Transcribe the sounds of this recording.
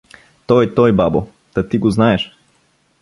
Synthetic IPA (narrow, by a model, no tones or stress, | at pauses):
t̪ɔjɛt̪ɔjbabo | t̪ɐt̪iɡoznaɛʃ